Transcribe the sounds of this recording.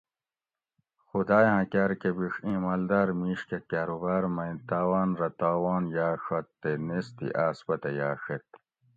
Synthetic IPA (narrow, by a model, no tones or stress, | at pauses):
xud̪aːjãːkaːɾkebiʂĩːmɐld̪aːɾmiːʂkekaːɾubaːɾmɐ̃ĩt̪aːwaːnɾɐt̪aːwaːnjaːʂɐt̪ːenest̪ḭʔaːsbɐt̪ɐjaːʂet̪̚